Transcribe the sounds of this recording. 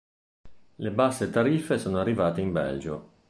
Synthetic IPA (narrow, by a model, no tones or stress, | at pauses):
lebasːet̪aɾifːesoːnoarːivaːt̪eimbɛ̰ld͡ʒo̰